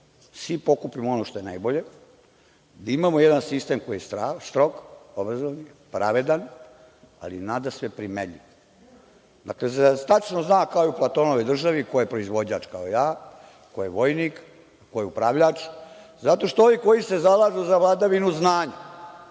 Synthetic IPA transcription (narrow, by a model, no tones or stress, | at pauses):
sʋipo̞kupimoonoʃt̪o̞jena̰jboʎe̞ | d̪aimamojed̪ansist̪emko̞jiest̪ɾast̪ɾo̞ɡobɾazoni | pɾaʋe̞d̪an | a̰linaːd̪asʋepɾimeʎḭʋ | d̪a̰klezt̪at͡ʃnoznaːkaojeuplat̪o̞noʋojd̪r̩ʒaʋikojepɾo̞izʋo̞d͡ʑaːt͡ʃkaojaː | kojeʋo̞jnik | kojeupɾaʋʎat͡ʃ | zat̪o̞ʃt̪ooniko̞jise̞zalˠaːʒuzaʋlˠad̪aʋinuznaːɲa